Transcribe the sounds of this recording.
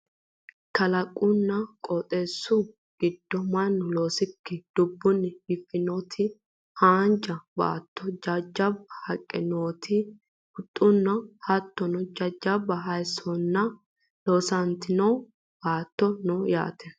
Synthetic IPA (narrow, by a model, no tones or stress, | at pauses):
kɐlɐkʼːʊnːɐkʼɔt̪ʼesːʊ | ɡ̥ɪd̪ːɔmɐnːʊlo̞ːsɪkːɛd̪̥ʊbːʊnːɛɪfːɪnoːt̪ʰɪ | haːnd͡ʒɐba̰ːt̪ːɔd͡ʒɐd͡ʒːɐbːɐhɐkʼːɛnoːt̪ʰɪ | ʊt̪ʼːʊnːɐhɐt̪ːɔnɔd͡ʒɐd͡ʒɐbːɐɦɐjsɔnːɐ | loːsɐnt̪ɪnɐw | b̥aːt̪ːɔnɔja̰ːt̪ɛ